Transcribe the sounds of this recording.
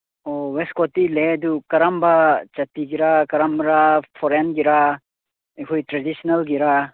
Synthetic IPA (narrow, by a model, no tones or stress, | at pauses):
ɔweskɔtiledukɐɾambat͡ʃatiɡiɾakɐɾamɾapʰɔɾenɡiɾa | ejkʰɔjtɾadisinalɡiɾa